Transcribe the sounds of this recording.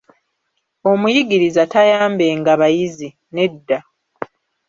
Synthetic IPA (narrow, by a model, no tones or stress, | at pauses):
o̞mujiɡiɾizatajaːmbe̞ŋɡaβajizi | ne̞dːa